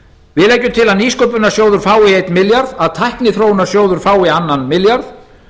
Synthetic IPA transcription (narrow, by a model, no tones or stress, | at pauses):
vɪðlɛːjcʏmt̪ʰɪlaðniːskowpʏnḁsjoːwðʏɾ̥faːwɪejt̪nmɪljaɾðaðt̪ʰajhknɪθɾoːwʏnaɾ̥sjoːwðʏɾ̥faːwɪanːanmɪljaɾθ